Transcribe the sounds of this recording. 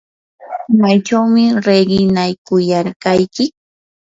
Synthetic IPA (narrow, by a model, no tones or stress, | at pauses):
majt͡ʃawmɪɾeɢɪnajkʊjaɾkajkɪ